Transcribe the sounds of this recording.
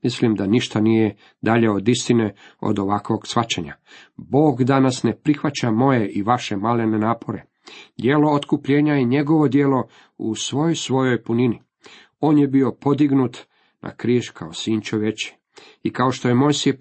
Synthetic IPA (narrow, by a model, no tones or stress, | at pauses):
mislimd̪aniʃt̪anije | d̪aʎeod̪ist̪ine̞o̰d̪o̞ʋakʋo̞ɡsʋat͡ɕeɲa̰ | bo̞ːɡd̪anasnepɾixʋat͡ɕamo̞jeʔiʋaʃe̞malenenaːpʰo̞ɾe̞ | d̪ʲje̞lo̞ot̪kupʎeːɲaiɲe̞ɡo̞ʋo̞d̪jeːlo̞ | ṵsʋo̞jojsʋo̞jo̞jpunini | o̞ːnjebio̞po̞d̪iɡnut̪ | nʔa̰kɾiːʒkʰaosiːnt͡ʃoʋet͡ɕi̥ | ikao̞ʃt̪o̞jemo̞jsie